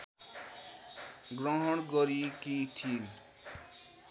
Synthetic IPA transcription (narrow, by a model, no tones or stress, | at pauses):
ɡɾɔɦɔɽ̃ɡɔɾikitʰil